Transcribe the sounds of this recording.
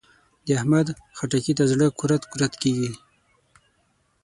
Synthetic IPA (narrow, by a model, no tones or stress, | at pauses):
d̪əahmad̪xaʈakit̪azɽəkuɾat̪kuɾat̪keɡi